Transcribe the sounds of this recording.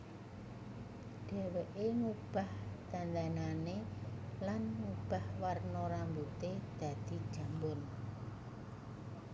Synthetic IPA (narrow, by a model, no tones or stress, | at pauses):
ɖ̥e̤weʔeŋub̥a̤hd̪̥a̤nd̪ananelanŋub̥ahwarnɔɾambut̪ed̪̥ä̤d̪̥i̤d̥ʒ̥a̤mbʊn